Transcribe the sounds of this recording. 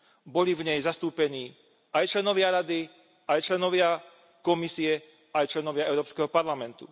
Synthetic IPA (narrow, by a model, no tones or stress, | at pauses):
bɔlivɲɛjzast̪uːpɛɲiː | ajt͡ʃlɛnɔʋɪaɾad̪i | ajt͡ʃlɛnɔʋɪa | kɔmisiɛ | ajt͡ʃlɛnɔʋɪaɛʊɾɔːpskɛɦɔpaɾlamɛnt̪u̥̰